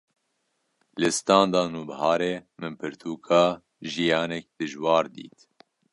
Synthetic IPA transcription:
lɨst̪ɑːnd̪ɑːnuːbhɑːɾeːmɨnpʰɨɾt̪ʰuːkʰɑː | ʒijɑːnɛk̚d̪̥ɨʒwɑːɾd̪ḭːt̪

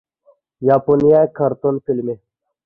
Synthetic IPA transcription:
jaːponijajkʰɐɾt̪onfilme

